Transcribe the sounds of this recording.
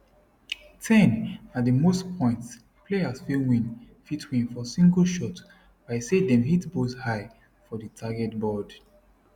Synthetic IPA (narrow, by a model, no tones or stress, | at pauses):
tʰɛ̃natdəmostpʰɔ̃ɪ̃nts | pʰleasfiwĩn | fitʰwĩnfɔsĩŋɡəlʃɔt | b̥aɪsedɛ̃mɦitboshaɪ | fɔðətʰaɡɛtbɔd